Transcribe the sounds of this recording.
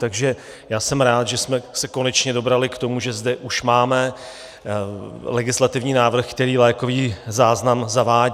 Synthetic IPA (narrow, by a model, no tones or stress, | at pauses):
t̪aɡʒɛ | jaːsɛmɾaːt̪ʒɛsmɛsɛko̞nɛt͡ʃɲɛdo̞bɾalɪkt̪o̞muʒɛzdɛʔuʃmaːmɛ | lɛɡɪslat̪ɪvɲiːnaːvr̩xkt̪ɛɾiːlɛːko̞viːzaːznamzavaː